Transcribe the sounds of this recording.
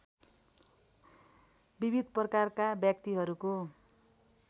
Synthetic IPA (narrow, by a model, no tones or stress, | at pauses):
bibid̪ʱprʌkarkabjʌkt̪iɦʌɾuko